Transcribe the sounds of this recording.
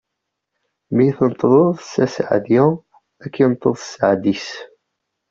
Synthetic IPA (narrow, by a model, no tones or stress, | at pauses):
mijθənt̪ˤːlˤoðˤsæsʕ̰ðjæ | ækːint̪ˤːəð̥ˤsəʕd̪is